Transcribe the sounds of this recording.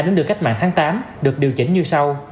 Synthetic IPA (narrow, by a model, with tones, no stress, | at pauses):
ɗe˨˦nɗɨ˨˩ka˦˥k̚ma̰ː˧˨ŋt̪ʰaː˨˦ŋt̪aː˨˦mɗɨ˨˩ək̚ɗi˨˩əwt͡ɕï˨˦ŋ̟ɲɨ˧sa˧w